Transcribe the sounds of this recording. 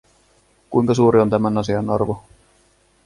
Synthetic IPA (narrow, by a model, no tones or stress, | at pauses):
kujŋkɑsuːɾiont̪æmænɑsiɑnːɑrʋu